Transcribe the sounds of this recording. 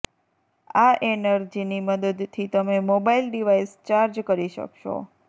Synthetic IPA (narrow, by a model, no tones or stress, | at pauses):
aʔenəɾd͡ʒiniməd̪əd̪t̪ʰːit̪əmemobailɖiʋaist͡ʃaɾd͡ʒkəɾiʃə̰kʃo̰